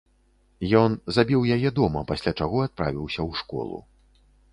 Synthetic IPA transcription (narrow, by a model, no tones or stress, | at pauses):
jɔnzabʲiwjajɛd̪ɔmɐpasʲlʲat͡ʂaɣɔat̪̚pɾa̰vʲiwsʲɐwʂkɔ̰lˠṵ